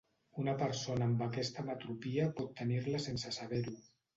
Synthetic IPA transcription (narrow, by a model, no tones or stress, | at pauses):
unapəɾsonaːmbakɛst̪amat̪ɾupiapɔt̪ːəniɾləsensəsaβɛɾu